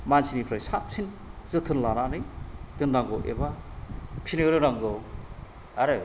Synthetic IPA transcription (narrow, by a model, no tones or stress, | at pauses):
mansinipʰɾajsasʰin | zɯtʰɯnlananɯjtɯndaŋɡowʔḛba | pʰineɾɯnɾaŋɡɯw | aɾɯ